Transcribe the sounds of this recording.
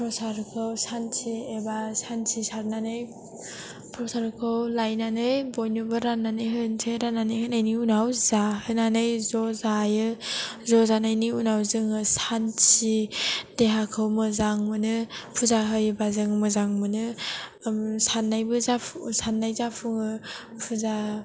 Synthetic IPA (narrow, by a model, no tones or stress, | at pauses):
pʰɾɔsaɾkʰɯwsansʰiebasansʰisaɾnanɯj | pʰɾɔsaɾkʰɯwlajnanɯjbojnubɯɾanːanɯjɦɯnsʰɯjɾanːanɯjɦɯnajniunawzahɯnanɯjzɔzajɯzɔzanajniunawzɯŋɯsansideɦakʰɯwmɯzaŋmɯnɯpʰuzaɦɯjbazɯŋmɯzaŋmɯnɯ | sanːajbɯzapʰsanːajzapʰuŋɯ | pʰuza